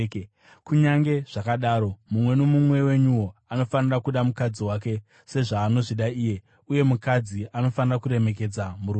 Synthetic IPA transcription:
kuɲaŋɡe̞ʐ̥akaɗaɾo̞mumwe̞nomumwe̞we̞ɲuwo̞ano̞fanirakuɗamukad͡ziwak̬e̞ | se̞ʐaːno̞ʐiɗaiːje̞ | uje̞mukad͡ziano̞fanirakuɾe̞me̞k̬e̞d͡zamuɾu

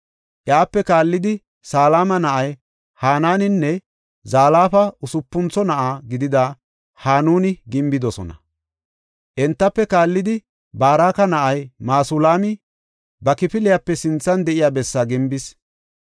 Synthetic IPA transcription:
ʔjaːpːɛkaːlːɪd̪ɪ | saːlaːmɐnɐʔɐj | haːnaːnɪnːɛ | zaːlaːfɐʊsʊpːʊnt͡sɔnɐʔaːɡɪd̪ɪd̪a | haːnuːnɪɡɪmbɪd̪ɔsɔ̰nɐ̰ | ʔɛnt̪ːɐpːɛkaːlːɪd̪ɪ | baːɾaːkɐnɐʔɐjmaːsʊlaːmɪ | bɐkɪpɪlɪjapːɛsɪnt͡sːɐnd̪ɛʔɪjaːbɛsːaːɡɪmbɪs

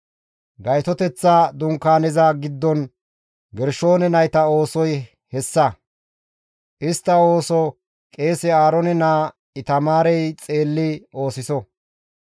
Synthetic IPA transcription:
ɡɐjt̪ɔt̪ɛt͡sːad̪ʊŋkːaːnɛzɐɡɪd̪ːɔn | ɡɛɾʃo̞ːnɛnɐjt̪ɐo̞ːsɔj | hɛsːɐ | ʔɪst̪ːɐo̞ːsɔ | kʼe̞ːsɛaːɾɔnɛnaː | ɪt̪ɐmaːɾɛjt͡sʼe̞ːlːɪo̞ːsɪsɔ

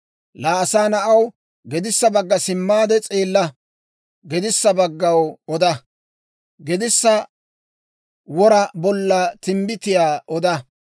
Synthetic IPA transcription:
laːsaːnɐʔɐw | ɡɛd̪ɪsːɐbɐɡːɐsɪmːaːd̪ɛt͡sʼeːlːɐ | ɡɛd̪ɪsːɐbɐɡːɐwɔd̪ɐ | ɡɛd̪ɪsːɐ | wɔɾɐbɔlːɐt̪ɪmbɪt̪ɪjaːʔɔd̪ɐ

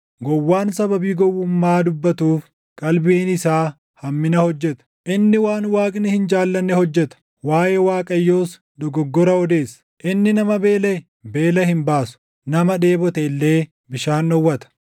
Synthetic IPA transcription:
ɡɔwːaːnsɐbɐbiːɡɔwːʊmːaːd̪ʊbːɐt̪uːf | kʼɐlbiːnɪsaː | hɐmːɪnɐhɔd͡ʒːɛt̪ɐ̥ʔɪnːɪwaːnwaːkʼnɪhɪnd͡ʒaːlːɐnːɛhɔd͡ʒːɛt̪ɐ̥ | waːjewaːkʼɐjːoːs | d̪ɔɡɔɡːɔɾɐɔd̪e̞ːsːɐ̥ʔɪnːɪnɐmɐbe̞ːlɛ | be̞ːlɐhɪmbaːsʊ̥ | nɐmɐᶑe̞ːbɔt̪ɛɪlːe̞ː | bɪʃaːnːɔwːɐt̪ɐ̥

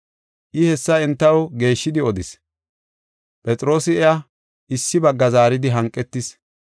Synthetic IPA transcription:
ʔɪhɛsːɐɛnt̪ːɐwɡe̞ːʃːɪd̪ɪɔd̪ɪs | pʼɛt͡sʼɪɾo̞ːsɪɛja | ʔɪsːɪbɐɡːɐzaːɾɪd̪ɪɦɐŋkʼːɛt̪ːɪs

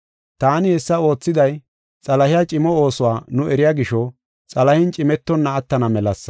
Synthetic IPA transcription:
t̪aːnɪhɛsːɐo̞ːt͡sːɪd̪ɐj | t͡sʼɐlɐhɪjat͡ʃʼɪmɔo̞ːsʊwaːnʊʔɛɾɪjaːɡɪʃɔ | t͡sʼɐlɐhɪnt͡ʃʼɪmɛt̪ːɔnːɐːt̪ːɐnɐmɛlɐsːɐ̥

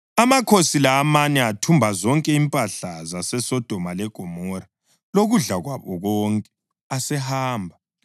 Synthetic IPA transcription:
amakʰosilaːmanɛatʰumbʱazɔŋkʼɛimpʼaɬazasɛsɔd̥ʱɔmalɛɡ̥ʱɔmɔɾa | loɣuɮaɣwaβɔɣɔːŋkʼɛ | asɛhaːmbʱa

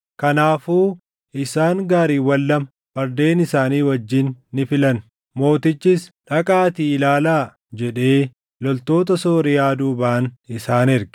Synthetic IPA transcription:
kɐnaːfuː | ʔɪsaːŋɡaːɾiːwɐlːɐmɐ | bɐɾd̪e̞ːnɪsaːniːwɐd͡ʒːɪnːɪfɪlɐn | mo̞ːt̪ɪt͡ʃːɪsᶑɐkʼaːt̪iːɪlaːlaː | d͡ʒɛᶑe̞ː | lɔlt̪o̞ːt̪ɐsoːɾɪjaːd̪uːbaːnɪsaːnɪɾɡɪ

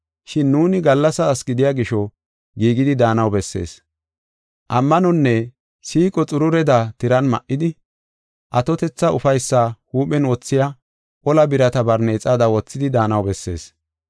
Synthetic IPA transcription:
ʃɪnːuːnɪɡɐlːɐsɐːsɡɪd̪ɪjaːɡɪʃɔ | ɡiːɡɪd̪ɪd̪aːnɐwbɛsːḛːs | ʔɐmːɐnɔnːɛ | siːkʼɔt͡sʼʊɾʊɾɛd̪at̪ɪɾɐnmɐ̰ʔːɪd̪ɪ | ʔɐt̪ɔt̪ɛt͡sːɐʊfɐjsːahuːpɛnwɔt͡sːɪja | ʔɔlɐbɪɾɐt̪ɐbɐɾneːt͡sʼaːd̪ɐwɔt͡sːɪd̪ɪd̪aːnɐwbɛsːe̞̰ːs

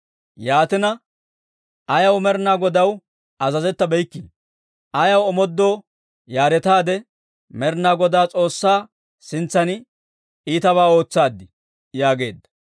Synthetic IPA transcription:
jaːt̪ɪnɐ | ʔɐjɐwmɛɾnaːɡɔd̪ɐw | ʔɐzɐzɛt̪ːɐbɛjkːi | ʔɐjɐwɔmɔd̪ːoː | jaːɾɛt̪aːd̪ɛ | mɛɾnaːɡɔd̪aːt͡sʼo̞ːsːaː | sɪnt͡sːɐnɪ | iːt̪ɐβaːo̞ːt͡sːaːd̪ːɪ | jaːɡe̞ːd̪ːɐ̥

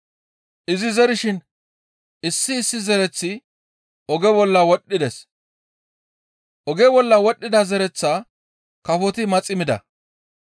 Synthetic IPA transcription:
ʔɪzɪzɛɾɪʃɪn | ɪsːɪːsːɪzɛɾɛt͡sːɪ | ɔɡɛbɔlːɐwɔɗːɪd̪ɛs | ʔɔɡɛbɔlːɐwɔɗːɪd̪ɐzɛɾɛt͡sːa | kɐfɔt̪ɪmɐt͡sʼɪmɪd̪ɐ̰

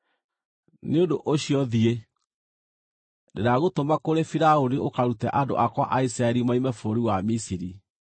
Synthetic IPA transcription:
neondoʔoɕiɔðie | deɾaɣotomakoɾefiɾaoniokaɾutɛ̰ʔado̰ʔakwa̰ʔaisɾaɛɾimaimɛfoɾiwamisiɾi

